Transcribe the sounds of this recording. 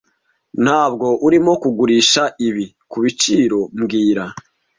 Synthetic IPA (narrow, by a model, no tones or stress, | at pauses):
n̥haːb̚ɡo̞ʔuɾimo̞kuɡuɾiʃaʔiβi | kuβit͡ʃiɾo̞mɡiːɾa